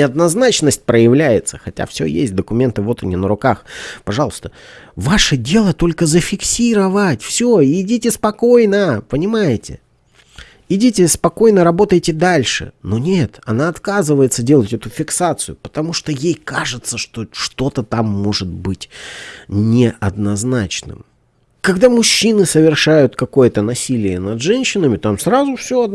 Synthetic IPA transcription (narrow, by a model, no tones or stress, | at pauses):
ɪɐd̪nɐznat͡ɕnəsʲt̚ʲpɾəjɪvlʲæjɪt̪sə̥xɐtʲa̰fsʲɵ̰jḛsʲt̚ʲd̪əkʊmʲe̞nt̪ɨvo̞t̪ɨnʲɪnəɾʊkaxpɐʐɑlˠəst̪ə | vaʂədʲe̞lˠət̪o̞lʲkəzəfʲɪksʲiɾəvatʲfsʲoɪdʲitʲɪspɐko̞jnəpənʲɪmajɪtʲɪ̰ | ɪdʲitʲɪspɐko̞jnəɾɐbo̞t̪əjtʲɪd̪alʲʂɨ̰no̞nʲet̪ɐnaɐt̪kazɨvəjɪt̪sədʲe̞lˠətʲɛt̪ʊfʲɪksat̪sɨjʊpə̥t̪ɐmuʂt̪ojejkaʐɨt̪səʂt̪o̞ʂt̪o̞t̪ət̪amːo̞ʐɨt̪̚bɨtʲ | nʲɪʔɐd̪nɐznat͡ɕnɨ̰m | kɐɡd̪amʊɕːinɨsəvʲɪrʂajʊt̪kɐko̞jət̪ənɐsʲilʲɪjənɐd̪ʐɛnʲɕːɪnəmʲɪt̪amsɾazʊfsʲoɐd̪